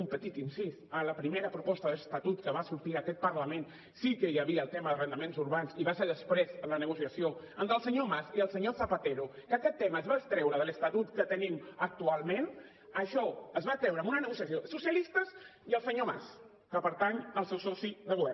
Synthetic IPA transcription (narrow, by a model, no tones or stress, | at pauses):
umpət̪it̪insisələpɾimeɾəpɾupɔst̪əðəst̪at̪ut̪kəβasuɾt̪iəkɛt̪̚pəɾləmen | sikəjaβiəːlˠt̪eməðərənd̪əmenzuɾβanziβaseɾðəspɾezələnəɣ̞usiɐsio | ənt̪əlˠsəɲomasiəlˠsəɲosapat̪eɾukəkɛt̪ːeməːzβaəst̪ɾɛwɾəðələst̪at̪ut̪kət̪ənimək̚t̪ualˠmẽn | əʃɔəzβat̪ɾɛwɾəmbunənəɣusiasjosusjalist̪əziəlˠsəɲoma̰s | kəpəɾt̪aɲəlˠsewsɔsiðəɣuβɛr